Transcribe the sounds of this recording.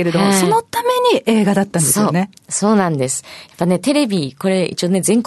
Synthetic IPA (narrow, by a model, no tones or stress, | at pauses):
eɾe̞d̪oaso̞no̞t̪ame̞ɲ̟iʔe̞ːɡad̪at̪ːãnd̪esoːneso̞ːnãnd̪e̞sɨ̥japːane̞t̪e̞ɾe̞bʲiko̞ɾe̞ḭt͡ɕio̞ːne̞zẽ̞ŋk